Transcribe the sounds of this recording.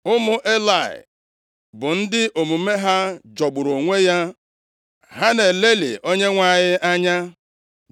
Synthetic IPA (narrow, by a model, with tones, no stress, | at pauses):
ʊ˦mʊ˦ʔe˦la˨ɪ̰˨ | bʊ˨n̩˦dɪ˦ʔo˨mu˨me˦ɦa˦d͡ʒɔ˨ɡ͡bʊ˨ɾo˨ŋʷe˦ja˦ | ɦa˦ne˨le˦lɪ̰˨ʔo˦ɲe˦ŋʷa˨ɲɪ˦ʔa˦ɲa˦